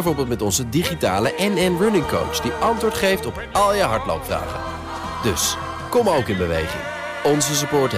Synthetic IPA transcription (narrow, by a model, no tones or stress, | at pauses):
jvʊːɹbɪːlˠtmɛtɔnzədiχita̰ːləʔɛnɛnrʊnɪŋko̰wt͡ʃd̥iʔɑntʋʊːɹtχejftɔpɑlˠjəɦɑɹtlo̰wpfra̰ːχə̰n | dɵs | kɔmowkɪnbəʋḛjχɪ̰ŋ | ɔnzəs̬əpʊːɹt